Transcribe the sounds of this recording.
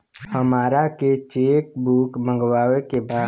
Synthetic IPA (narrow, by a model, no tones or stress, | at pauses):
həmaːɾaket͡ʃeːkbuːkmə̃ŋɡwaːʋekebaː